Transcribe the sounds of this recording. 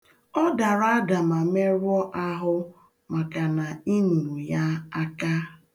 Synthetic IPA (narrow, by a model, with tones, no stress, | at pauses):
ɔ˦da˨ɾa˦da˨ma˨me˦ɾwɔ˦ʔa˦ɦʊ˦ | ma˨ka˨na˨i˦nu˨nu˨ja˦a˦ka˦